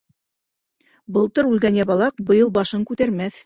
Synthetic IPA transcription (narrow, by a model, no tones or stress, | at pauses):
bɤ̆lˠt̪ɤɾʉlɡænjæbɑlˠɑq̚bɤ̆jɤlˠbɑʃɤŋkʉt̪æɾmæθ